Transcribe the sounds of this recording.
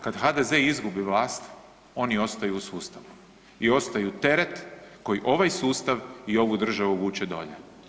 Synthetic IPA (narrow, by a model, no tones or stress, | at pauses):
kad̪xad̪ezeizɡubiʋlaːst̪ | o̞nio̞st̪ajuːsuːst̪aʋu | io̞st̪ajut̪e̞ɾet̪ko̞jiʔo̞ʋajsuːst̪aʋio̞ʋud̪r̩ʒaʋuʋuːt͡ʃed̪o̞̰ʎḛ